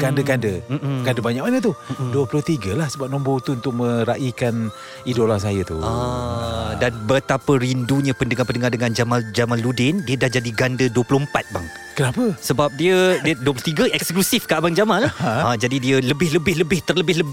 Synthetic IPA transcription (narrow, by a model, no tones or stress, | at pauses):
ɡ̥andəɡandəɡandəbaɲak̚manət̪uduəplʊht̪iɡəlahsəbap̚nɔ̃mbot̪uunt̪ʊk̚mə̃ɾaʔikan | idolans̬ajət̪ṵa | danbət̪apəɾinduɲapəndəŋapəndəŋardəŋand͡ʒamãd͡ʒamaludɪndiədahd͡ʒadiɡandəduəplʊhəmpat̪̚ba̰ŋ | kənapəsəbap̚diədəduəp̬lʊht̪iɡəʔɛksklusɪfkaʔbaŋd͡ʒamanlahad͡ʒadidiələbɪhləbɪləbɪht̪ərləbɪɦlə